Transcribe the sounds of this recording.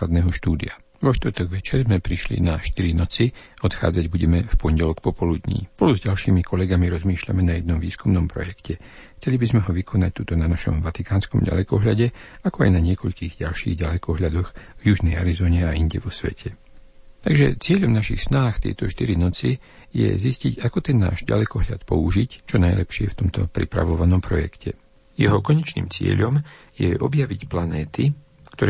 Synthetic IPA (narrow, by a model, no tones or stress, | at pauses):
lad̪nɛːɦɔʃt̪uːd̪ḭa | ʋɔʃt̪vr̩ɾt̪ɔɡʋɛt͡ʃɛɾzmɛpɾiʃlḭnaʃt̪iɾinɔt͡siɔt̪xa̰ːd͡zaɟbuɟɛmɛfpɔɲɟɛlɔkpɔpɔlud̪ɲḭːpɔluzɟalʃiːmikʰɔlɛɡamiɾɔzmiːʃʎa̰mɛnajɛd̪nɔmʋiːskumnɔmpɾɔ̰jɛkcɛ | xt͡sɛlibizmɛɦɔʋikʰɔnac̚t̪ut̪ɔnanaʃɔ̰mʋat̪ikaːnskɔmɟa̰lɛkɔɦʎaɟɛakɔa̰jnaɲɪɛkɔʎkiːɣɟalʃḭːɣɟalɛkɔɦʎad̪ɔxvjuʒnɛjaɾizɔːɲɛaiɲɟɛʋɔsʋɛ̰cʰɛ | t̪aɡʒɛt͡sɪɛʎɔmnaʃixsnaːxt̪ɪɛ̰jt̪ɔʃt̪iɾinɔt͡si | jɛ̰zisciɟakɔt̪ɛnːa̰ːʒɟa̰lɛkɔɦʎat̪pɔuʒict͡ʃɔnajlɛpʃɪɛft̪ɔmt̪ɔpɾḭpɾa̰ʋɔʋanɔmpɾɔjɛ̰kcʰɛ | jɛɦɔkɔɲɛt͡ʃnḭːmt͡sɪɛ̰ʎɔm | jɛ̰ʔɔbjaʋicplanɛːt̪i | kt̪ɔɾɛ